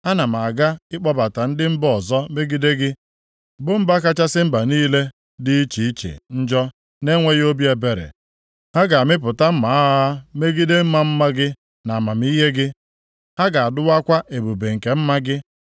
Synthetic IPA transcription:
a˦na˨m̩˨a˨ɡa˦ɪ˦k͡pɔ˦ba˨ta˨n̩˦dɪ˦m̩˦bɔ˨zɔ˦me˦ɡi˦de˦ɡɪ˦ | bʊ˦m̩˦ba˦ka˦t͡ʃa˦sɪ˦m̩˦ba˨niː˦le˦ | dɪ˦i˦t͡ʃi˨i˦t͡ʃḛ˨n̩˦d͡ʒɔ˦ | ne˦ŋʷe˦jo˦bi˦e˨be˨ɾḛ˨ | ha˦ɡa˨a˨mɪ˦p̬ʊ˨ta˦m̩˦ma˨˦a˦me˦ɡi˦de˦m̩˦ma˦m̩˦ma˦ɡɪ˦ | na˨ma˨m˦i˦ɦe˦ɡɪ˦ | ha˦ɡa˨a˨dʊ˦wa˦kʷa˦ʔe˨bu˨be˨ŋ̩˨ke˨m̩˦ma˦ɡɪ˦

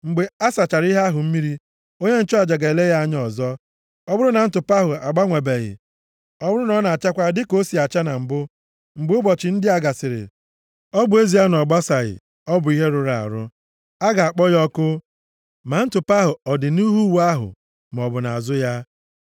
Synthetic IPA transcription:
ŋ͡m̩˨ɡ͡be˨a˦sa˨t͡ʃa˨ɾi˦ɦa˦ɦʊ˨m̩˦mi˦ɾi˦ | o˦ɲe˦n̩˦t͡ʃɔ˦a˨d͡ʒa˨ɡa˨e˨le˦ja˦a˦ɲ˦ɔ˨zɔ˦ | ɔ˦bʊ˦ɾʊ˦na˨n̩˦tʊ˨pa˦ɦʊ˨a˨ɡ͡ba˦ŋʷe˨be˨ɣɪ̰˨ | ɔ˦bʊ˦ɾʊ˦nɔ˦na˨t͡ʃa˦kʷa˦dɪ˦ko˦si˨a˨t͡ʃa˦na˨m̩˨bʊ˦ | ŋ͡m̩˨ɡ͡bʊ˦bɔ˨t͡ʃɪ˨n̩˦dɪ˦a˨ɡa˨sɪ˨ɾɪ̰˨ | ɔ˦bʊ˨e˦zi˨a˦n˨ɔ˨ɡ͡ba˦sa˨ɣɪ̰˨ | ɔ˦bʊ˨i˦ɦe˦ɾʊ˨ɾa˦˨a̰˨ɾʊ˦ | a˦ɡa˨a˨k͡pɔ˦jɔ˦kʊ˦ | ma˨n̩˦tʊ˨pa˦ɦʊ˨ɔ˨dɪ˨nu˦ɦu˦wu˨˦a˦ɦʊ̰˨ | m˨ɔ˨bʊ˨na̰˨a˨zʊ˦ja˦

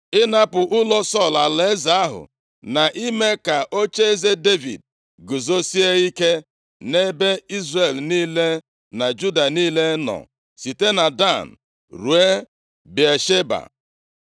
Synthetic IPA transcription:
ɪ˦na˦pʊ˨ʔʊ˦lɔ˦sɔ˦˨la˨le˦za˨˦a˦ɦʊ̰˨ | na˨ʔi˦me˦ka˨ʔo˦t͡ʃe˦e˦ze˦de˦vḭ˨d̚ | ɡu˨zo˦si˦e˦i˦ke˦ | ne˦be˦i˦zre˨lniː˦le˦ | na˨d͡ʒu˦da˨niː˦le˦nɔ̰˨ | si˨te˦na˨da˦˨n̩˨ | ɾu˨e˦ | bi˨e˨ʃe˦ba̰˨

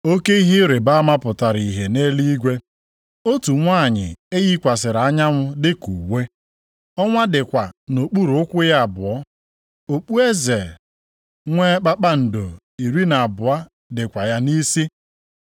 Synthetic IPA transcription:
o˦ke˦i˦ɦi˦ɾe˨ba˦ma˦pʊ˨ta˨ɾi˨ɦe˨ne˦li˦ɡʷe˦ | o˦tu˨ŋʷa˦˨ɲɪ̰˨e˦ɣi˦kʷa˨s̬ɪ˨ɾa˦ɲa˦ŋʷʊ˦dɪ˦kṵ˨we˦ | ɔ˦ŋʷa˦dɪ˨kʷa˨no˨k͡pu˦ɾu˨ʊ˦kʷʊ˦ja˦a˨bʊ̰˨ɔ˦ | o˨k͡pu˦e˦ze˨ | ŋʷe˦k͡pa˦k͡pa˦n̩˨do˨ | i˨ɾi˦na˨bʊ˨a˦ | dɪ˨kʷa˨ja˦ni˦si˦

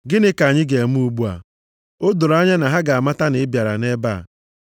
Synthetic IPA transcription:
ɡɪ˦nɪ˦ka˨ɲɪ˦ɡe˨m˦u˦ɡ͡bu˦a̰˨ | o˦dʊ˨ɾa˦ɲa˦na˨ɦa˦ɡa˨a˨ma˦ta˦nɪ˨˦bja˨ɾa̰˨ne˦ba̰˦˨

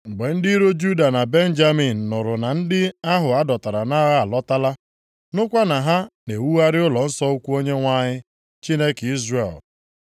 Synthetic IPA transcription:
ɡ͡be˨n̩˦dɪ˦ɾo˦d͡ʒu˦da˨na˨be˦n̩˦d͡ʒa˦mi˨n̩ː˨ʊ˨ɾʊ˨na˨n̩˦dɪ˦a˦ɦʊ˨a˦dɔ˨ta˨ɾa˨na˦ɣa˦a˨lɔ˦ta˦la˦ | nʊ˦kʷa˦na˨ɦa˦ne˨wu˦a˦ɾɪ˦ʊ˦lɔ˨n̩˦sɔ˦u˦kʷu˦o˦ɲe˦ŋʷa˦ɲɪ˦ | t͡ʃi˦ne˦ki˦zrḛ˨l

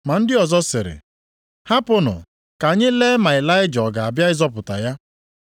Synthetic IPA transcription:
ma˨n̩˦dɪ˦ɔ˨zɔ˦sɪ˨ɾɪ̰˨ | ha˦pʊ˦nʊ̰˨ | ka˨ɲɪ˦le˦ma˨ɪ˨la˦ɪ˦d͡ʒɔ˨ɡa˨a˨bja˦ɪ˦zɔ˦pʊ˨ta˨ja˦

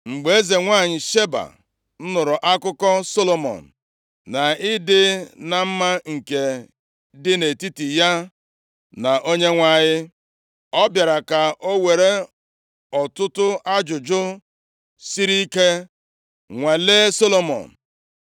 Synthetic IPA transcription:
ŋ͡m̩˨ɡ͡be˨˦e˦ze˨ŋʷa˦˨ɲɪ˨ʃe˦ba̰˨ | n̩˦nʊ˨ɾʊ˨ʔa˦kʊ˦kɔ˦so˦lo˨mɔ̰˨n̩˨ | na˨ɪ˦dɪ˦na˨m̩˦ma˦ŋ̩˨ke˨ | dɪ˦ne˨ti˦ti˨ja˦ | na˨ʔo˦ɲe˦ŋʷa˦˨ɲɪ˦ | ɔ˦bja˨ɾa˨ka˨ʔo˦we˨ɾe˦ | ɔ˨tʊ˦tʊ˦a˦d͡ʒʊ˨d͡ʒʊ˦ | si˦ɾi˦i˦ke˦ | ŋʷa˨leː˦so˦lo˨mɔ̰˨n̩˨

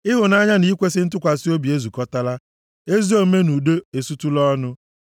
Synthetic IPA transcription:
ɪ˦ɦʊ˨na˦ɲa˦ni˦kʷe˦sɪ˦n̩˦tʊ˦kʷa˨si˦o˦bi˨e˦zu˨kɔ˦ta˦la˦ | e˦zi˦o˦me˦nu˨do˦e˨su˦tu˦lɔ˦nʊ˦

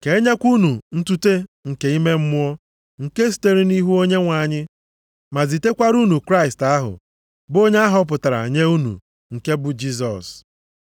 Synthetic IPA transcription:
ke˨˦ɲe˦kʷu˦nu˨n̩˦tu˦te˦ŋ̩˨ke˨i˦me˦m̩˦mʊ˦ɔ˦ | ŋ̩˨ke˦s̬i̥˨te˦ɾi˦ni˦ɦu˦o˦ɲe˦ŋʷa˨ɲɪ˦ | ma˨zi˨te˦kʷa˦ɾu˦nu˨kɾa˦ɪ˨sta˦ɦʊ̰˨ | bo˦ɲe˦a˦ɦɔ˦p̬ʊ˨ta˨ɾa̰˨ɲe˦u˦nṵ˨ | ŋ̩˨ke˦bʊ˨d͡ʒi˦z̬ɔ̰˨s

